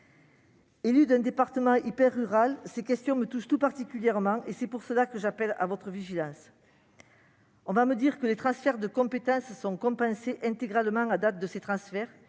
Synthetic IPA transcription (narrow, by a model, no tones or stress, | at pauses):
elyd̪ɛ̃nd̪epaʁt̪əmɑ̃ʔipɛʁːyʁalsekʲɛst̪jɔ̃mət̪uʃt̪upaʁt̪ikʲyljɛʁmɑ̃ʔesɛpuʁsəlakəʒapɛla̰vɔt̪χəviʒilɑ̃s | ɔ̃vaməd̪iʁkəlet̪χɑ̃sfɛʁd̪əkɔ̃pet̪ɑ̃sːɔ̃kɔ̃pɑ̃seʔɛ̃t̪eɡʁalmɑ̃ad̪at̪̚d̪əset̪χɑ̃sfɛʁ